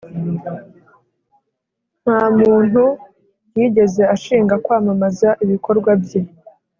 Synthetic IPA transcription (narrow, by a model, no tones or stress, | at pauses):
n̥haːmuːn̥u | jiːɟe̞ze̞aʃiːŋɡakwaːmamazaʔiβiko̞ɾɡwabje